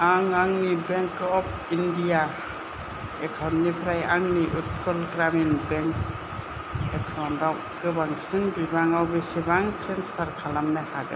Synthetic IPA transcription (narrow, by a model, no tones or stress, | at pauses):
aŋaŋnibeŋkɔp̚ʰindija | ekʰawnːipʰɾajaŋniʔut̚kɔlɡɾaminbeŋk | ekʰawndaw | kɯbaŋsinbibaŋawbesibaŋtʰɾenspʰaɾkʰalamːehaɡɯ̰